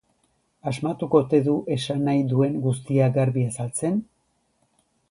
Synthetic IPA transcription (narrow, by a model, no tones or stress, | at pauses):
azmat̪uko̞t̪e̞ðuʔe̞sanajd̪ue̞ŋɡust̪iaɡaɾβiasalt͡se̞n